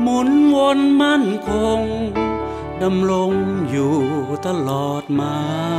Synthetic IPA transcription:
mu˧˨˦nwo˧nma˥˨nkʰo˧ŋ | da˧mɾo˧ŋjuː˨˩t̪a˧lɔː˨˩t̪̚maː˧

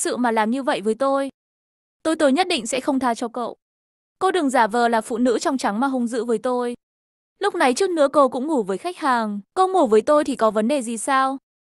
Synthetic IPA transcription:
sɨ̰˧˨maː˨˩laː˨˩mɲɨ˧və̰˧˨jvəː˨˦jt̪o˧j | t̪o˧jt̪o˧jɲə˦˥t̚ɗḭ˧˨ŋ̟sɛ̰˧˥xə˧wŋ͡mt̪ʰaː˧t͡ɕɔ˧kə̰˧˨w | ko˧ɗɨ˨˩əŋzaː˧˩vəː˨˩laː˨˩fṵ˧˨nɨ̰˧˥t͡ɕɔ˧wŋ͡mt͡ɕa˨˦ŋmaː˨˩ɦə˧wŋ͡mzɨ̰˧˥vəː˨˦jt̪o˧j | lʊ˦˥k͡p̚na˨˩jt͡ɕɨ˦˥k̚nɨ̰˧˥əko˧wkʊ̰˧˥ŋ͡mŋu˧˩vəː˨˦jxa˦˥jk̚haː˨˩ŋko˧ŋu˧˩vəː˨˦jt̪o˧jt̪ʰi˨˩kɔ˨˦və˨˦nɗe˨˩zi˨˩saː˧w

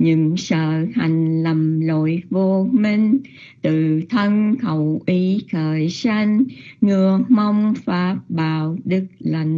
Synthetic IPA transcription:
ɲɨ̰˧˥ŋsə̰ː˧˨ha˨˩jŋ̟lə˨˩mlo̰˧˨jvo˧mi˧ŋ | t̪ɨ˧˨t̪ʰə˧nxə˨˩wʔi˨˦xəː˨˩jsa˧ŋ̟ŋɨ˨˩əma˧wŋ͡mfaː˨˦p̚ɓaː˧˨˩wɗɨ˦˥k̚la˨˩jŋ̟

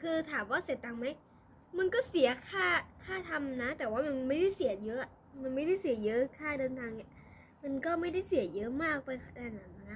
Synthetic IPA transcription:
kʰɯː˧t̪ʰaː˩˦mwaː˥˩se˨˩˦t̪ːa˧ŋma˦˥j | ma˧nkɔː˥˩si˩˦ɐkʰaː˥˩kʰaː˥˩t̪ʰa˧mna˦˥t̪ɛː˨˩waː˥˩ma˧n˧ma˥˩jda˥˩jsi˨˩˦ɐjɤ˦˥ʔa˩ | ma˧nma˥˩jda˥˩jsi˨˩˦jɤ˦˥kʰaː˥˩dɤː˧nt̪ʰaː˧ŋa˥˩ | ma˧nkɔː˥˩ma˥˩jda˥˩jsi˨˩˦jɤ˦˥maː˥˩k̚pa˧jkʰa˧˩daː˧nːa˨˦a˧˩a˧˩

